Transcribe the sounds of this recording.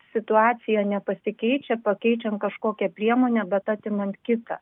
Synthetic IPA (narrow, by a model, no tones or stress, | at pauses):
sʲɪt̪ʊɑːsʲɪjɛnʲɛpɐsʲɪkʲɛɪt͡ʃʲɛpɐkʲɛɪt͡ʃʲɛnt̪̚kɐʃkoːkʲɛpʲɾʲiɛmoːnʲɛbʲɛt̪ɑːt̪ʲɪmɐnt̪kʲɪt̪ɑ̰ː